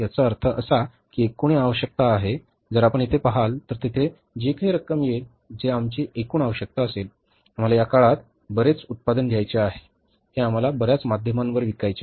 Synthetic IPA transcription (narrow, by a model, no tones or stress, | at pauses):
jat͡saəɾt̪ʰəʔəsa | kiekuɳ̃iaʋəɕək̚t̪aːɦe | d͡zəɾapəɳit̪ʰepəɦalt̪əɾt̪it̪ʰe | d͡ʑekaɦiɾəkəmje | d͡zeamt͡ɕiʔekuːɳaʋəɕək̚t̪aəsel | am̤alajakaɭat̪ | bəɾet͡sut̪̚pad̪ənɡʱjajt͡ɕeaɦe | heam̤alabəɾjat͡smad̪ʱjəmãnʋəɾʋikajt͡ɕe